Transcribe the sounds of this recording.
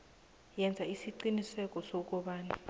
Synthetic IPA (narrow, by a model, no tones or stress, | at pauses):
jɛnd͡zʱaisiǃinisɛk̬ʼɔsɔk̬ɔɓaːni